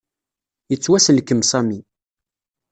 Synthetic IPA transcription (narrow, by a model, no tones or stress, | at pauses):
jət͡sːwæsəlkːəmsˤɑmi